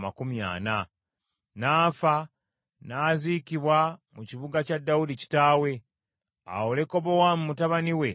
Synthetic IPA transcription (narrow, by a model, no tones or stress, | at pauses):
makumja̰ːna | naːfa | naːzikiβwamuciβuɡacadːawudici̥taːwe̞ | a̰wole̞ko̞βo̞wamumutaβaniwe̞